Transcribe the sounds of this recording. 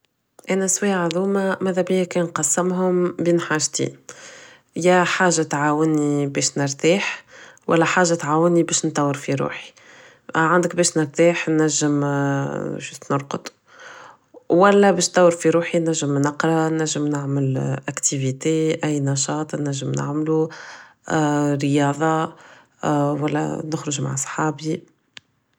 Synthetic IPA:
ʔæːnæswɛːʔʕðuːmamæːðæbijækɛːnqɑsːɪmɦʊmbiːnħaːʒt̪ḭːn | jæħaːʒːat̪ʕaːwənibɛːʃnəɾt̪iːħwʔæ̰lːæħaːʒat̪ʕaːwənibɛːʃnt̪ˤɑwːəɾfiɾṵːħi̥ | ʕand̪əkbɛːʃnəɾt̪iːħnæʒːəm̰ | ʃnʊɾˤqʊd̪ | wælːɛbɛːʃnt̪ˤɑwːəɾfiɾuːħinæʒːəmnɑqɾˤɑnæʒːəmnaʕməlʔækt̪ivit̪eʔæjːnɑʃɑːt̪ˤnæʒːəmna̰ʕmlu | ɾəjɑːðˤɑ | wælːɛ̰nʊxɾʊʒma̰ʕsˤħɑːbi

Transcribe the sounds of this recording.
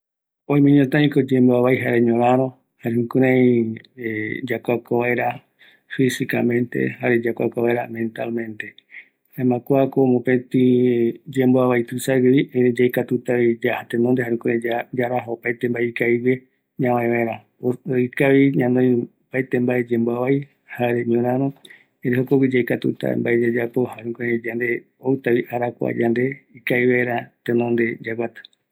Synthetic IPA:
õj̃mẽɲõt̪ãĩkod͡ʒemboaβajɦaɾeɲõɾãɾõ | haɾehũkuɾãĩ | d͡ʒakʷakoβaeɾa | fisikamẽ̞nt̪e̞̰haɾed͡ʒakʷa̰koβaeɾamẽ̞nt̪almẽ̞nt̪e | ẽmãkʷakoːmõpẽt̪ĩd͡ʒemboaβajt̪ɨsaɡiβiʔeed͡ʒajkat̪ut̪aβid͡ʒahat̪enõnd̪eɦaɾũkuɾãd͡ʒaɾaɦaopajt̪embaeikaiβe | ɲãwãẽβẽɾa | oikaʋiɲãnd̪õj | pajt̪embaed͡ʒẽmboaβai | haɾeɲõɾãɾ̃õ | eɾeɦokowid͡ʒajkat̪ṵt̪a̰mbaed͡ʒad͡ʒapo̞haɾũkoɾed͡ʒand̪e | owt̪aβiʔaɾakʷa̰d͡ʒand̪e̞ikaiβaeɾat̪ẽnõnd̪e̞d͡ʒaɡʷat̪ḁ

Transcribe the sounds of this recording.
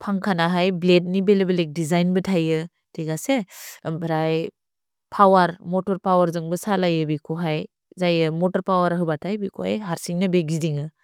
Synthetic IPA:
pʰaŋkʰanaɦajblet̚nibelebelek̚dizajnbɯtʰajɯ | tʰeɡasebɾaj | pʰawaɾmɔtɔɾpawaɾzɯŋbɯsalajɯbikʰoɦaj | zajɯmɔtɔɾpawaɾɦɯbatʰajbikʰoha̰jɦaɾsiŋnɯbeɡ̚zidiŋɯ

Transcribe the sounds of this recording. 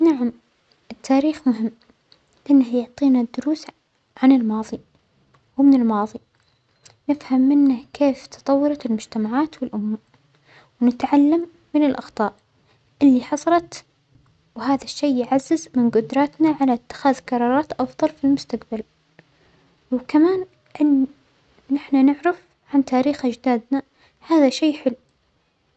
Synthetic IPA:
naʕam | ʔɪt̪ʰːaːɾiːxmʊɦɪmː | ʔɪnːajʊʕt̪ˤiːnad̪ːʊɾuːs | ʕanɪlmɑːðˤi | wmɪnɪlmɑːðˤi | nɪfhamːɪnːakʰeːft̪ɑ̥t̪ˤɑwːɑɾˤɑt̪ɪlmʊd͡ʒt̪amaʕaːt̪wɪlʔʊmːa | wnɪt̪ʕalːamːɪnɪlʔɑxt̪ˤɑːʔ | ʔɪlːiħɑsˤɑɾˤɑt̪ | whaːðaʃːeːʕazːɪzmɪnɡʊd̪ɾˤɑːt̪naʕalaɪt̪ːɪ̥xaːðqɑɾˤɑːɾˤɑːt̪ʔɑfðˤɑlfilmʊst̪aqbal | wkamaːn | ʔɪnː | ɪħnanɪʕɾɪf | ʕant̪aːɾiːxʔad͡ʒd̪aːd̪na | haːðaʃeːħɪlː

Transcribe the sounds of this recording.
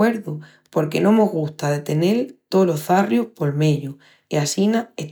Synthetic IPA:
e̞ɾðu | po̞ɾke̞nõ̞mo̞ɦɣust̪aðe̞t̪e̞ne̞lt̪olo̞θarjohpo̞lme̞ʎo | iasinae

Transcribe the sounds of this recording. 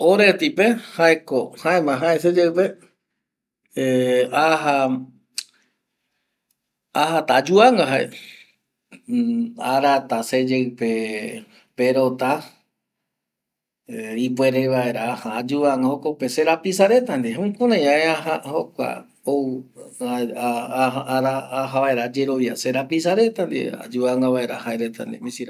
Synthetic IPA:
oɾet̪ipehaekohãẽmãɦães̬ed͡ʒepe | aɦa | aɦat̪ad͡ʒuaŋɡaɦaḛ | aɾat̪ased͡ʒepe | peɾot̪a | ipwe̞ɾeβaeɾahaːd͡ʒuaŋɡahokopeseɾapisaɾe̞t̪and̪eɦũkũnãjãeaɦahokʷa̰ | o | ɾaːɦaβaeɾad͡ʒe̞ɾo̞ʋjase̞ɾapis̬aɾe̞t̪and̪ḛa̰d͡ʒuaŋɡaβae̞ɾa̰haeɾet̪a̰nd̪ḛmĩsiɾa

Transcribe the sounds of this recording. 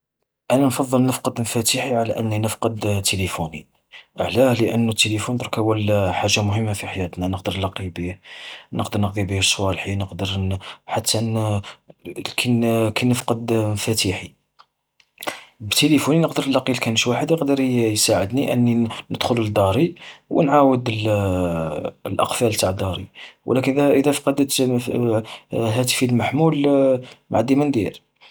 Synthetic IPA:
ʔænænfɑðˤːəlnəfqɑd̪mfæt̪iħiʕalæʔənːinəfqɑd̪t̪ːelifuni | ʕlæhləʔənːut̪ːelifunt̪ˤɾkæwəlħaʒːamʊhəmːafiħajæt̪nænəqd̪əɾlɑqibinəqd̪əɾˤnəqd̪ibihəʃwɑlħinəqd̪əɾħat̪ʰːæ | lkʰænkænəfqɑd̪mfæt̪iħi | bt̪elifuninəqd̪əɾlːɑqilkænʃwaħəd̪jəqd̪əɾˤjsaʕəd̪niʔə̰nːinəd̪xʊləd̪ɑɾˤiwə̰nʕawəd̪əl | lʔɑ̰qfælt̪aʕd̪ɑɾˤḭw̰lækənæʔəd̪æfɑ̥qɑd̪ət̪ | ɦæt̪̬ə̥filmaħmul | mʕd̪imənd̪iɾ

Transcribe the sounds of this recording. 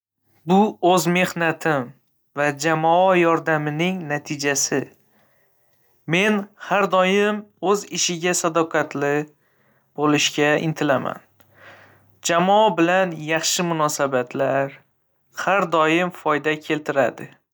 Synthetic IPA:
bʊɵzme̞hnat̪ʰɪm | vad͡ʒamɒɒjɒɾd̪amɪnɪŋnat̪ʰɪd͡ʒasɪ | me̞nhaɾd̪ɒjɪmɵzɪʃɪɡʲasad̪ɒqʰat̪lɪ | b̥olɪʃkʲaɪ̰nt̪ʰɪlama̰n | d͡ʒamɒɒbɪlanjɑχʃɪmʊnɒsabat̪ʰlaɾ | haɾd̪ɒjɪmfɒjd̪akʲʰe̞lt̪ʰɪɾad̪ɪ

